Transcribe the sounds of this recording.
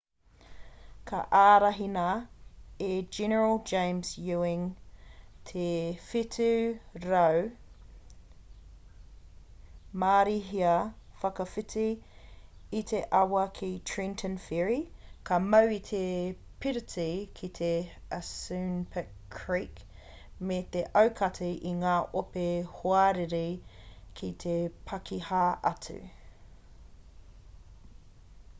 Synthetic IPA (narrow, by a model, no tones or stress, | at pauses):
kʰɐ̰ʔaːɾɐɦinɐ | ed͡ʒɛnəɹəlˠd͡ʒẽɪ̃mzjʉɪ̃ŋ | tʰefitʰʉɾɐw | maːɾiɦiɐfɐkɐfɪtʰiː | t̪ʰeʔɐwɐkʰitʰɹĩntʰə̃nfiɹikʰɐmɐwit̪ʰe | pʰiɾətikʰit̪ʰe | əsʉnpʰə | kʰɹik | met̪eʔɐwkʰɐtʰiʔiŋaːʔopehoɐɾeɾikʰit̪ʰepʰɐkʰihaʔɐtʉ̰